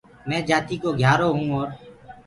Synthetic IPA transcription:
mɛ̃ːd͡ʒaːt̪iːkoːɡʱjaːɾoːɦũːɔːɾ

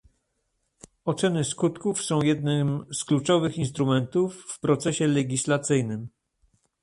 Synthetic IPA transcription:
ɔt̪sɛnɘskut̪kufsɔ̃w̃jɛd̪nɘmsklut͡ʂɔvɘxinst̪ɾumɛnt̪ufːpɾɔt̪sɛɕɛlɛɡʲislat̪sɘjnɘm

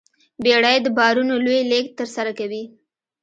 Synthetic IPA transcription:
beɽajd̪əbɑɾunolojlekt̪əɾsaɾakawi

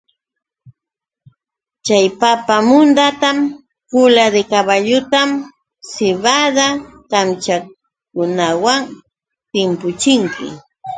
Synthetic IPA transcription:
t͡ʃajpapamʊnd̪at̪am | pʊlad̪ekaβaʎʊt̪am | sɪβad̪akamt͡ʃa | kʊnawaŋ | t̪ɪmpʊt͡ʃɪŋkɪ̰

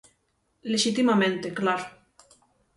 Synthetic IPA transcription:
leʃit̪imamẽnt̪eklaɾo

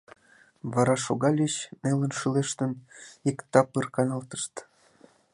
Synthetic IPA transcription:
βɑɾɑʃoɣɑlʲet͡ɕnelə̆nʃileʃt̪ənikt̪ɑpɯrkɑnɑlt̪ə̥ʃt̪

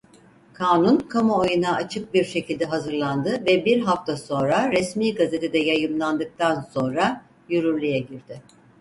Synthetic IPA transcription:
kʰaːnunkʰamaojunaːt͡ʃʰɯk̚biɾʃe̞cilʲd̪ɛɦazɯɾlˠand̪ɯvɛbiɾɦaft̪ʰaso̞nɾaɾɛsmiːɡaze̞t̪ʰe̞d̪ɛjajɯmlˠand̪ɯk̚t̪ʰanso̞nɾa | jyɾyɾlʲyjɛɟiɾd̪ɪ

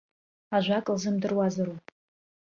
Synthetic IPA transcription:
aʒʷakʼlzɨmdɨrwazaɾupʼ

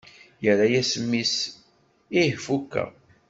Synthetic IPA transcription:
jəɾajæsəmːis | ihfukːæ̰

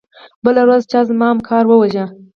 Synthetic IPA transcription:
bəlawɾazt͡ʃɑzmɑamkʰɑɾwəwaʒa

